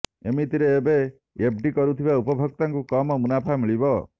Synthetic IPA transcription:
emit̪iɾeːbe | ep̚ɖikɔɾut̪ʰibaupɔbʱɔk̚t̪aŋkukɔmɔmunapʰamiɭibɔ

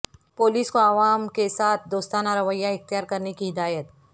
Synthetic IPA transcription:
poːliːskoaʋaːmkesaːt̪ʰd̪oːst̪aːnaɾɐʋəjːaɪxt̪ijaːɾkɐɾnekiɦɪd̪aːjət̪̚

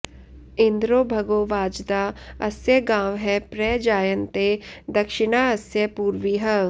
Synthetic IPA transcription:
ɪ̃nd̪ɾoːbʱɐɡoːʋaːd͡ʒd̪aːɐsjɐɡãːʋɦɛpɾɛːd͡ʒaːjənt̪ed̪ɐkʃɪnaːɐsjɐpuːɾʋiɦɐ

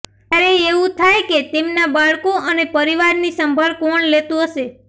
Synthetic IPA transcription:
aɾeeʋũt̪ʰajket̪emnabaɭkoənepəɾiʋaɾnisəmbʱəɾkɔɳlet̪ũɦəʃe

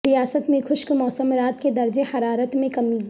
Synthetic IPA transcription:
ɾijaːsət̪mẽxʰʊʃkmɔːsəmɾaːt̪ked̪ɐɾd͡ʒehɐɾaːɾət̪mẽkɐmi

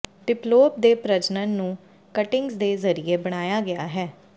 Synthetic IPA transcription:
ɖɪploːp̚d̪eːpɾəd͡ʒnənːũː | kəʈɪŋɡzd̪eːzəɾieːbəɽ̃aːjaːɡɪaːɦɛː

